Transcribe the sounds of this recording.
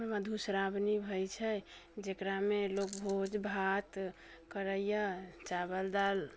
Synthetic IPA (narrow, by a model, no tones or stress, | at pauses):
məd̪ʱusɾabnibʱəjt͡ʃʰɛd͡ʒekɾamelok̚bʱod͡ʒbʱat̪ | kəɾəjət͡ʃabəld̪al